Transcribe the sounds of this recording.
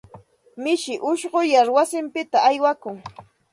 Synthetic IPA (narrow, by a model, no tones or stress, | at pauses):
mɪʃɪʔʊʃɢʊjaɾwasɪmpɪt̪aːjwakʊŋ